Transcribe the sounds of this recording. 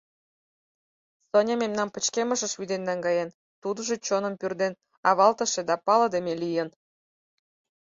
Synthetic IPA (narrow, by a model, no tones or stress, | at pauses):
sonʲememnɑnpə̆t͡ɕkemə̆ʃə̆ʃβyd̪enːæŋɡɑjen | t̪ud̪ɤ̆ʒɤ̆t͡ɕonɤ̆mpyrd̪en | ɑβɑlt̪ɤ̆ʃĕd̪ɑpɑlɤ̆d̪emʲelijən